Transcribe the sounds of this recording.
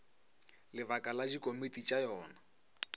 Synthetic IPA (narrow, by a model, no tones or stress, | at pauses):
lɪbakʼalad͡ʒikʼomitʼit͡ʃʼajɔːna